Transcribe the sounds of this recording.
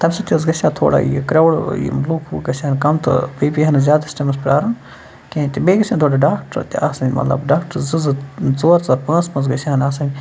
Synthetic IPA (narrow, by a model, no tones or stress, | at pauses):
t̪ɐmsɐt̪ʲizɡɐʃʲãːt̪ʰo̰ːɽa̰ːḭkɾɐʋɽḭmluːkʰuɡɐsʲaːnkɐmt̪ʰɨ̰biːbiɦɐnzʲaːd̪ɐsʈɐmɐspɾaːɾɐm | kẽt̪ʲibeːɡɐsʰʲãːnt̪ʰoːɽaɖaːkʈɾt̪iaːsɐnʲmɐ̰t̪lɐ̰bɖaːkʈɐɾzɨzɨzoːɾt͡sɐɾpãːnsmɐzɡɐsʲaːnaːsɐnʲi